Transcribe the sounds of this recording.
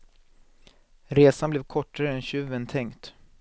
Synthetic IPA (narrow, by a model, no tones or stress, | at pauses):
ɾeːsanblɛːvkʰɔʈːaɾəɛnɕʉvːənt̪ʰɛŋkt̪